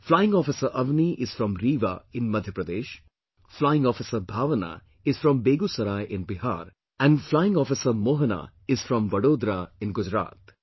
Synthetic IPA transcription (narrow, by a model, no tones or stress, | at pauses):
flaɪɪ̃ŋɔːfɪsəʔɐʋniʔɪz̥fɾɔ̃mɾiːʋa̰ɪ̃nmɐd̪ʱjəpɾɐd̪eːʃ | flajɪ̃ŋɡɔːfɪsəbʱaːʋəna̰ | ɪz̥fɾɔ̃mbeːɡusɐɾaːjʔɪ̃nbɪɦa̰ːɾ | ɛ̃nɖflaɪɪ̃ŋɔːfɪsəmoːɦəna̰ | ɪz̥fɾɔ̃mʋɐɽoːd̪ɾaɪ̃nɡʊd͡ʒɾa̰ːt̪